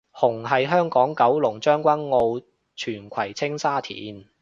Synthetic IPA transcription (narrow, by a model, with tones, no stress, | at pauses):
hʊ˨˩ŋɦɐ˨jɦœː˥ŋkɔː˨˥ŋkɐ˨˥wlʊ˨˩ŋt͡ʃœː˥ŋkʷɐ˥nːo˧w | t͡ʃʰyː˨˩nkʷʰɐ˨˩jt͡sʰɪ˥ŋsaː˥t̪ʰḭː˨˥n